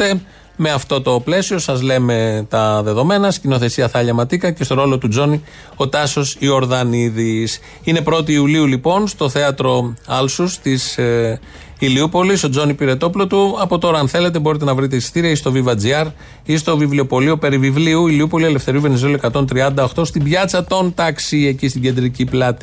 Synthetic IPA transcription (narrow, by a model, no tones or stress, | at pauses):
e | meɐft̪o̞t̪o̞ple̞sio̞sɐzle̞me̞t̪ɐðe̞ðo̞me̞nɐscino̞θe̞siɐθɐʎɐmɐt̪ikɐce̞st̪o̞ɾo̞lo̞t̪ud͡zo̞ni | o̞t̪ɐso̞sio̞ɾðɐniðis | ine̞pɾo̞t̪̬iːuliulipo̞nst̪o̞θe̞ɐt̪ɾo̞ɐlsust̪is | iliupo̞liso̞d͡zo̞nipiɾe̞t̪o̞plo̞t̪uɐpo̞t̪o̞ɾɐɐnθe̞le̞t̪e̞bo̞ɾit̪̬e̞nɐvɾit̪̬e̞isi̥t̪iɾiɐist̪o̞vivɐd͡ziɐɾ | ist̪o̞vivlio̞po̞liope̞ɾivivliuiliupo̞lie̞le̞fθe̞ɾiuve̞nizeluoekɐt̪o̞nt̪ɾiɐnd̪ɐoxt̪o̞st̪ibʝɐt͡sɐt̪o̞nt̪ɐksie̞cist̪iɟe̞nd̪ɾiciplɐt̪i